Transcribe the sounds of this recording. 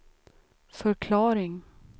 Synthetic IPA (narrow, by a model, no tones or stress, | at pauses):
fœɾkʰlɑːɾɪŋ